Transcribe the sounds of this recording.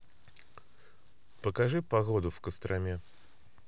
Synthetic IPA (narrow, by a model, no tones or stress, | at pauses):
pəkɐʐɨpɐɣod̪ʊfkəst̪ɾʔɐmʲe